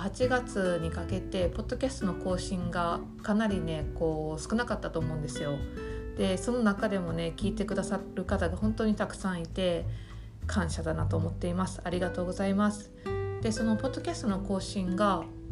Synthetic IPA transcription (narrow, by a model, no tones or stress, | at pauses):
hat͡ɕiɡat͡sɨɲ̟ikake̞t̪e̞po̞d̪̥ːo̞kʲasɨ̥t̪o̞no̞ko̞ːɕĩŋɡa | kanaɾʲine̞ko̞ːsɨ̥kɯ̟nakat̪ːat̪o̞ːmo̞ɯ̃nd̪e̞sɨjo̞d̪̥e̞so̞no̞nakad̪e̞mo̞ne̞kʲiːt̪e̞kɯ̟d̪asaɾɯ̟kat̪aɡahõ̞nt̪o̞ːɲ̟it̪akɯ̟̥sãɰ̃it̪e̞ | kʰãɰ̃ɕad̪anat̪o̞ːmo̞t̪ːe̞imasɨ̥aɾʲiɡat̪o̞ːɡo̞zaimasɨ̥d̪̥e̞so̞no̞po̞d̪ːo̞kʲasɨ̥t̪o̞no̞ko̞ːɕĩŋɡa